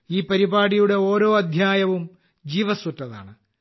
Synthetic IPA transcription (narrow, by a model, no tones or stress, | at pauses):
iːpɐɾibaːɽijuɽe̞o̞ːɾo̞ːɐd̪ʱjaːjɐʋum | d͡ʑiːʋɐsutːɐða̰ːɳɨ